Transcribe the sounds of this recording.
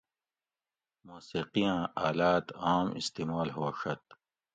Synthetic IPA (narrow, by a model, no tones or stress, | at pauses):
muːsiːqijãːaːlaːt̪aːmḭst̪iːmaːlɦoɕɐt̪̚